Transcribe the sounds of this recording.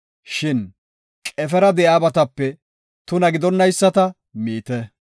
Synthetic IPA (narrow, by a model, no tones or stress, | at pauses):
ʃɪn | kʼɛfɛɾɐd̪ɛjaːbɐt̪ɐpːɛ | t̪ʊnɐɡɪd̪ɔnːɐjsːɐt̪ɐ | miːt̪ɛ